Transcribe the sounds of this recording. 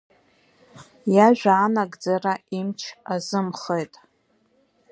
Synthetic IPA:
jaʒᶣʷaːnaɡʼd͡zaraimt͡ʃʰazɨmχejtʼ

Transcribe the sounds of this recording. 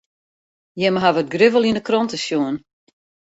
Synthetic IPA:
jɛməɦavət̚ɡrɪvəlˠinəkrɔntəsjuən

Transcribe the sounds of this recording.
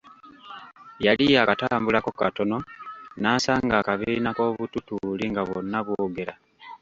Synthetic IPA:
jalijakataːmbulako̞kato̞no̞naːsaːŋɡaːkaβiːnako̞ːβututuliŋɡaβo̰nːaβooɡeɾa

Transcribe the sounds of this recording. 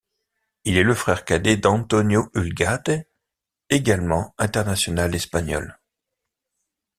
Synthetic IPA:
ilɛləfχɛʁkad̪ed̪ɑ̃t̪ɔnjoylɡat̪e | eɡalmɑ̃ɛ̃t̪ɛʁnasjɔnalɛspaɲɔ̰l

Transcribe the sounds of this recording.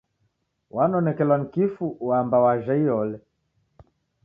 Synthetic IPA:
wanɔnɛkɛlanikifuwambawaʒaiɔlɛ

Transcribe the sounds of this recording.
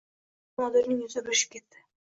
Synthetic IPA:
mɒd̪ɪɾnɪŋjʊzɪbɪɾʃɪ̥p̚kʲet̪ːɪ̥

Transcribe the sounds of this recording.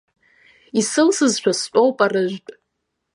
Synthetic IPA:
isɨlsɨzʃʷᶣʰast͡ʃʷʼowpʼarɨʒʷᶣtʼ

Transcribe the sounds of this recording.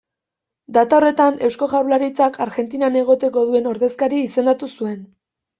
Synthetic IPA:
d̪at̪aore̞t̪ane̞wsko̞ɣawlaɾit͡sakʰaɾɣe̞nt̪inane̞ɣ̞o̞t̪e̞ko̞ðue̞no̞ɾðe̞skaɾiːse̞nat̪usue̞n

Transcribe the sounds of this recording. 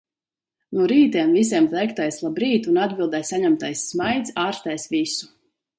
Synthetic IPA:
nuɔɾiːt̪iɛmvis̬ɛmt̪ɛjkt̪ajslˠabɾiːt̪unad̪bʲilˠd̪ɛjsaɲamt̪ajsːmajt̪saːɾst̪ajsvisu̥

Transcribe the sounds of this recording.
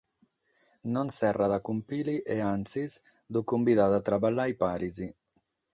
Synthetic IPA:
nɔnsɛraðakumpiliʔeansiz | d̪ukumbiðad̪at̪ɾabalːajpaɾizi

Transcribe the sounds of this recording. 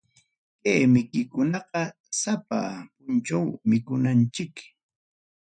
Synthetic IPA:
kajmɪkɪkʊnɑqɑ | sapa̰pʊnt͡ʃawmɪkʊnant͡ʃɪk

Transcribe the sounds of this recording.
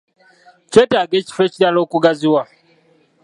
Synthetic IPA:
t͡ʃetaɡet͡ʃi̥fet͡ʃidalokuɡaziwa

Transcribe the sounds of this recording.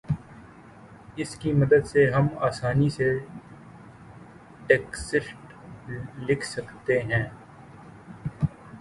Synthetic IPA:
ɪskimɐd̪əd̪seɦɐmaːsaːnise | ʈeːksɪʃʈ | lɪkʰsɐkt̪eɦɛ̃ː

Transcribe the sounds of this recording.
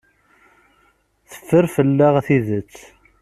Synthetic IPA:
θə̥fːəɾfəlːaʁθiðət͡sː

